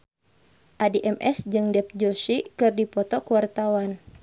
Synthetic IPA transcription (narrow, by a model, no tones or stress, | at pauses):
ʔadiʔɛmʔɛsd͡ʒɨŋdɛp̚d͡ʒosikɨrdipɔt̪ɔkuwart̪awan